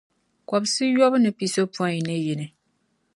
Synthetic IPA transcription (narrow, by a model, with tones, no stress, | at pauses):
kɔ˨bsɨ˦jɔ˦bɨ˦nɨ˨pi˨so˦pu˦a˦ŋi˨nɨ˦ji˨nɨ˨